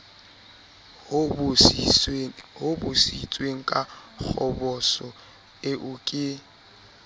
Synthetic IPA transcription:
hʊbʊsit͡sʼweŋ̩kʼak͡xʰɔbɔsɔ | ɪʔʊkʼɪ

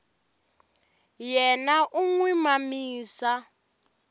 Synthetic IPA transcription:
jɛnaʔuŋwimamiːsa

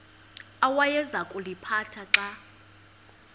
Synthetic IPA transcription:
awajɛzakʼulipʰatʰaǁa

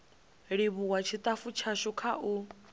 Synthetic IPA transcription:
ɺiβuwat͡ʃʰit̪ʼafut͡ʃʰaʃukʰaʔu

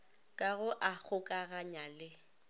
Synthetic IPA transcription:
kʼaɣʊʔak͡xʰʊkʼaɣaɲalɪ

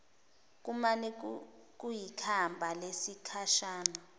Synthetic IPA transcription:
k̬ʼumanɛ | k̬ʼujikʰambʱalesikʰaʃaːna

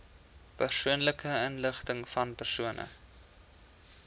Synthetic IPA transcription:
pərsuənləkəənləχtəŋfɐnpərsuənə̰

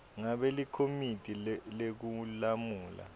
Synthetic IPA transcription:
ŋaɓelikʰomidʱʼilek̬ulamuːla̰

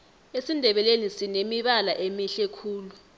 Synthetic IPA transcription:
esindʱɛɓɛlenisinemiɓalaʔemiɬɛkʰuːlu

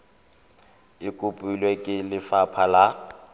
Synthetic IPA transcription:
ɪkʼʊpʼʊilwekʼɪlɪfapʰala

